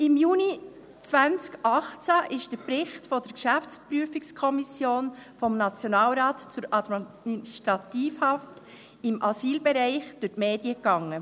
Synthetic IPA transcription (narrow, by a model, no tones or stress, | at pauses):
ɪmjuːni | t͡svænt͡skʔɑχt͡sæʔɪʃd̥əɾprɪχtfɔdəɾkʃæft͡spryəfikskʰɔmisjoːnfɔmnɑt͡sjɔnɑːlɾaːtt͡sʊɾɑdmmiiʃtɾɑtiːfhɑft | ɪmʔɑsiːlbɛɾɛɪχd̥ʊtmeːdiəkɑŋːə